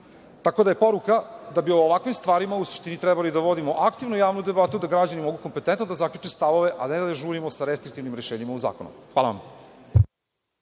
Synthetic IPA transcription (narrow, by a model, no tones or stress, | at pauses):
t̪ako̞d̪aje̞po̞ɾukad̪abioːʋakʋimst̪ʋaːɾimausu̥ʃt̪init̪ɾɛbalid̪aʋo̞d̪imo̞ʔakt̪iʋnujaːʋnud̪e̞bat̪ud̪aɡɾad͡ʑanimoɡuko̞mpe̞t̪ent̪nod̪azakʎut͡ʂest̪aʋo̞ʋe̞ʔad̪aned̪ad̪eʒuːɾimosaɾest̪ɾikt̪iʋnimɾeʃeːɲimauza̰ːkonṵxʋaːlˠa̰a̰m